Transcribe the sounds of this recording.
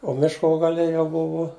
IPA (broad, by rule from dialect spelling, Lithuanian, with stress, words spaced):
oː ˈmʲɪʃkoː ɡɐˈlʲɛ jɛʊ ˈbʊʋʊ